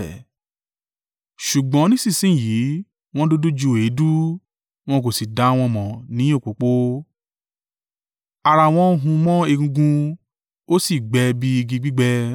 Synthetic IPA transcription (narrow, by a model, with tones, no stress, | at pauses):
ʃu˨ɡ͡bɔ̃˨˦nĩ˦si˦˨sĩ˦˨jiː˨˦ | w̃ɔ̃˦do˦du˦d͡ʒu˧˦˨e˨˦du˦ | w̃ɔ̃˧k̬o˨si˨da˨˦˧w̃ɔ̃˧mɔ̃˨nĩ˨˦o˦˨k͡po˨˦k͡po˦ | a˧ɾa˧w̃ɔ̃˧˦ɦũ˧mɔ̃˦e˧ɡũ˧ɡũ˧ | o˦si˦˨ɡ͡bɛ˧bi˦i˧ɡĩ˧ɡ͡bi˦ɡ͡bɛ˧